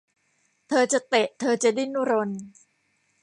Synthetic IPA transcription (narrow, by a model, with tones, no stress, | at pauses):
t̪ʰɤː˧t͡ɕa˨˩t̪e˨˩ʔt̪ʰɤː˧t͡ɕa˨˩di˥˩nːu˥˩ɾo˧n